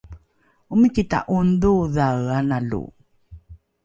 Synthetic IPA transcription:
umikita̰ʔunduðaɣanalṵ

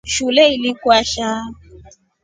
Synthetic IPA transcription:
ʃulɛilikwaʃa

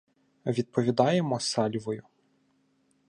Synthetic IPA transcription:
ʋʲid̪̚pɔʋʲid̪ɑjemɔsɑlʲʋɔjʊ

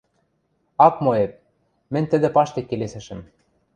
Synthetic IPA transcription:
ɑkmoep̚ | mɘ̆nʲt̪ɘ̆d̪ĕpɑʃt̪ekːelesɘ̆ʃɘ̆m

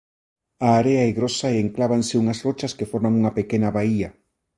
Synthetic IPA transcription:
aːɾeaeɣɾosaeeŋklaβanseuŋɐsrot͡ʃɐskefoɾmaŋuŋɐpekenɐβaiɐ

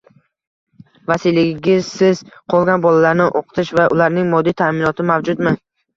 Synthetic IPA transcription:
vasilɪɡʲɪzsɪz̥qʰɒlˠɡʲanbɒlalaɾnɪʔoqʰɨ̥t̪ʰɪʃvaʔʊlaɾnɪŋmɒd̪ːijt̪ʰamɪnɒt̪ʰɪmavd͡ʒʊd̪mɪ

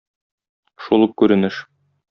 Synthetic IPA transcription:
ʃulˠukʉɾɘ̆nɘʃ

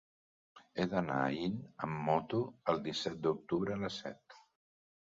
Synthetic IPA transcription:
eðəna̰inə̰mːɔt̪uəlˠd̪isɛt̪̚d̪uk̚t̪uβɾəːləsɛ̰t̪

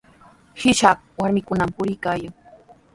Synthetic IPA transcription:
hɪʃakwaɾmɪkʊnampʊɾɪjkaːjaŋ

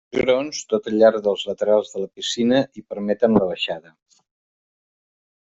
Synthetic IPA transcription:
ʒuɾonst̪ot̪əʎaɾðəlˠzlət̪əɾalˠzðələpisinəʔipəɾmɛt̪ənləβəʃaðə

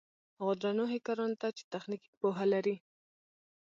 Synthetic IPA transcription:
ɣʊd̪ɾɑnoɦɪkɑɾɑnt̪at͡ʃe̥t̪axniki̥poɦalaɾi

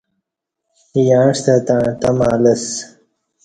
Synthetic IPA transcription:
jãːʂt̪ɐt̪at̪ɐmaːlɐs

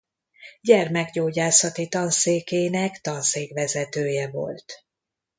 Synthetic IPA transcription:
ɟɛrmɛɡɟoːɟaːsɒt̪it̪ɒnseːkeːnɛkt̪ɒnseːkʋɛzɛt̪øːjɛvo̞̰lt̪

